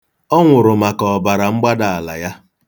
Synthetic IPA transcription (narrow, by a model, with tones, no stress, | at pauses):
ɔ˦ŋʷʊ˨ɾʊ˨ma˨kɔ˨ba˨ɾa˨ŋ͡m̩˦ɡ͡ba˦da˨a˨la̰˨ja˦